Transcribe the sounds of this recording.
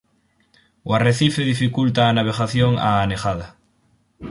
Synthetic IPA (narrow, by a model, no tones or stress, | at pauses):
oareθifeðifikult̪aːnaβ̞eɣaθjoŋa̰ːnexað̞a